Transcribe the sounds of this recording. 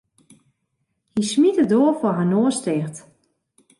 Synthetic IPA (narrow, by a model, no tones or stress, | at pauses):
hismitədoːəfɔɦanoəstɪxt